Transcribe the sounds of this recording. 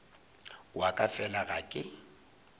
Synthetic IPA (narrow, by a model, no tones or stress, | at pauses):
wakʼafɛlaɣakʼɪ